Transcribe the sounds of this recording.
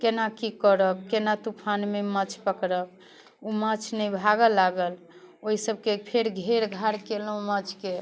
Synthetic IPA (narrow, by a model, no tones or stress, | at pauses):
kenakikəɾəkːenat̪upʰanmemət͡ʃʰpəkɾək̚ | umət͡ʃʰnɛjbʱaɡəlːaɡəl | oɦisəb̚kepʰeɾɡʱeɾɡʱaɾkeləumət͡ʃʰke